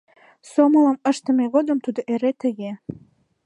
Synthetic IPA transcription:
somɤlɑmə̆ʃt̪ə̆meɣod̪ə̆mt̪ud̪ŏʔeɾet̪ə̆ɡe

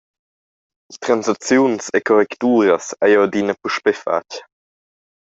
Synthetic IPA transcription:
tɾanzat͡sjunsekʰɔɾɛktuːɾəsajowdinəpuʃpɛfa̰c

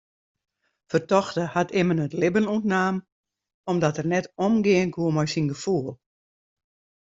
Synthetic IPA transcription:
fərtɔxtəhatɪmənətlɪbənutnaːm | ɔmdɔtərnɛtomɡɪənkʰuəmɔjsinɡəfuəlˠ

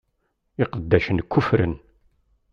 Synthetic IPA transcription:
ɪqəd̪ːæʃənkʰːʊfɾə̰n

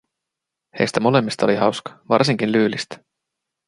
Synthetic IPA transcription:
hḛːst̪emolemist̪oliɦɑwskvɑ̰rs̬iŋɡ̥inlyːlist̪

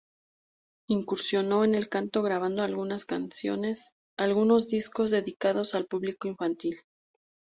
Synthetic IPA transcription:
iŋkuɾsjo̞no̞ene̞lkant̪o̞ɣɾaβ̞and̪o̞alɣunaskansjo̞̰ne̞s | alɣuno̞zd̪isko̞zðe̞ðikaðo̞salpuβliko̞iɱfant̪il

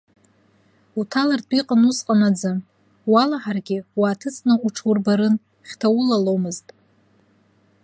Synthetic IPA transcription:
utʰalartʰʷʼiqʼanusqʼanad͡za | walaħarɡʲɪwaːtʰɨt͡sʼnɨʔuʈ͡ʂʰwurbaɾɨn | χʲtʰawʊlalomɨztʼ

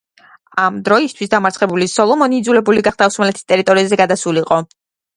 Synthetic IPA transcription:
amd̪ɾɔist̪ʰwisd̪amaɾtsʰχɛbulisɔlˠɔmɔniːd̪zulɛbuliɡaχd̪afsumɛlɛt̪ʰi̥st̪ʼɛɾit̪ʼɔɾiazɛɡad̪asuliqʼɔ

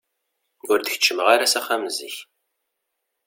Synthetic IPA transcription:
ʊɾd̪əçə̥t͡ʃːəməʁaɾasaχamzḭç

